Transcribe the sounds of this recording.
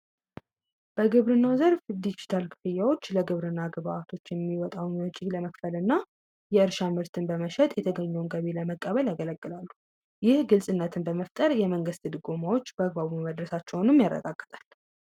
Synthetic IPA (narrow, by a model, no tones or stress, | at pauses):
b̥əɡɨβɾɨnːawzəɾfd̪id͡ʒit̪ʰalkʰɨ̥fɨjːawo̞t͡ʃːləɡɨβɾɨnːaɡβaat̪ʰo̞t͡ʃːjɛmːiwɔt̪ʼawnət͡ʃʼːiɡləməkfəlɨnːa | jɛɨɾʃamɨɾt̪ʰɨnbəməʃɛt̪ʼjɛt̪ʰəɡəɲːɛwnɡəβe̞ləməkʼːəβəljaɡələɡʼːɨlalːu̥ | jɪhɡɨlsʼɨnːət̪ʰɨnbəməft̪ʼəɾjɛməŋɡɨst̪ʰɨd̪ɨɡo̞mawo̞t͡ʃːbəaɡbaβuməd̪ɾəsat͡ʃːɛwnɨmjarːə̰ɡa̰ɡːə̥t̪ʼal